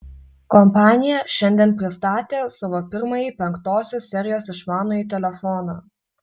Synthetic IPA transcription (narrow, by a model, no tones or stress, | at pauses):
kɔmpɑːnʲɪjɛʃʲɛnʲd̪ʲiɛnpʲɾʲɪst̪ɑːt̪ʲeːsɐʋoːpʲɪɾmɐjiːpʲɛŋkt̪oːsʲoːssʲɛɾʲɪjoːsɪʃmɑːnoːiːt̪ʲɛlʲɛfɔnɑː